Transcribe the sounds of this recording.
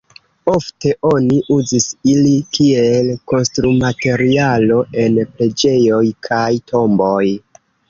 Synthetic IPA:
o̞fte̞ʔo̞niʔuzisilikielko̞nstɾumate̞ɾialo̞ʔe̞nple̞d͡ʒe̞jo̞jkʰajtʰo̞mbo̞j

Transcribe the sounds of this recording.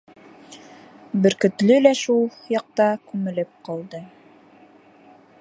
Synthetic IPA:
bɘ̆ɾkɵ̆t̪lɵlæʃulˠjɑq̚t̪ɑkʉmɘ̆lɘp̚qɑlˠd̪ɤ

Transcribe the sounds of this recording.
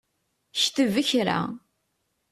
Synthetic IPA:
çθəvəçɾa̰

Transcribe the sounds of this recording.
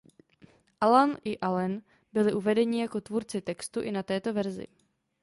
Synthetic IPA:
ʔalanʔɪʔalɛn | bɪlɪʔuvɛdɛɲɪjako̞t̪vuːɾt͡sɪt̪ɛkst̪uʔɪnat̪ɛːt̪o̞vɛɾzɪ̰

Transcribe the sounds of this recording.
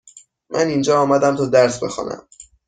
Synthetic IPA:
mʔænind͡ʒɒːɒːmæd̪æmt̪ʰɒːd̪æɾsbe̞xɒ̰ːnæ̰m

